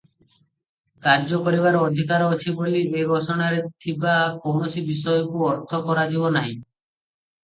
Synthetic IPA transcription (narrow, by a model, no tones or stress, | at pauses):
kaɾd͡ʒɔkɔɾiβaɾɔːd̪ʱikaɾɔːt͡ʃʰibolieɡʱɔsɔɽ̃aɾet̪ʰibakownɔsibis̬ɔjɔkuɔɾt̪ʰɔkɔɾad͡ʒiβɔnaɦḭ̃